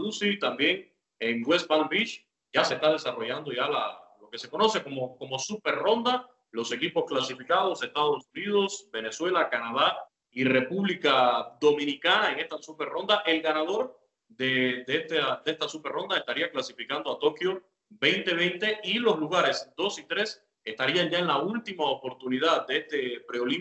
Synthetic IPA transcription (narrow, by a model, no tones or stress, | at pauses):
ðusit̪ambje̞ŋ | eŋɡwe̞sbanbit͡ʃ | ɟ͡ʝase̞st̪aðe̞saro̞ʝand̪o̞ʝalalo̞ke̞se̞ko̞no̞se̞ko̞moko̞mo̞supe̞ɾro̞nd̪a | lo̞se̞kipo̞sklasifikað̞o̞se̞st̪aðo̞sunið̞o̞sbe̞ne̞swe̞lakanað̞a | ire̞puβlikaðo̞mĩnikanaeŋe̞st̪asupe̞ɾro̞nd̪aʔe̞lɡanað̞o̞ɾ | d̪ed̪et̪ad̪est̪asupeɾro̞nd̪ae̞st̪aɾiaklasifikand̪o̞at̪o̞kjo̞ | be̞jnt̪e̞β̞e̞jnt̪e̞ilo̞sluɣaɾe̞sd̪o̞sit̪ɾe̞s | e̞st̪aɾiaŋʝae̞nlault̪imaopo̞ɾt̪unið̞aðd̪eest̪e̞pɾeo̞li